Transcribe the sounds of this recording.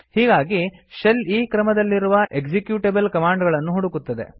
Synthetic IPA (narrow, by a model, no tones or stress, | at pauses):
hiːɡaːɡiʃɐliːkɾɐmɐd̪ɐlːiɾuʋɐʔeɡd͡ʒekjuːʈebɐlkɐmaːɳɖɡɐɭɐnːuɦuɽukut̪ːɐd̪e̞̰